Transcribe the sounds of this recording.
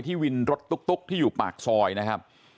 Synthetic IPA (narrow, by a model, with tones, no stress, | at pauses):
jt̪ʰiː˥˩wi˧nɾo˦˥t̪̚ːu˦˥k̚t̪o˦˥k̚t̪ʰiː˥˩juː˨˩pa̰ː˨˩k̚sɔː˧jna˦˥kʰa˦˥p̚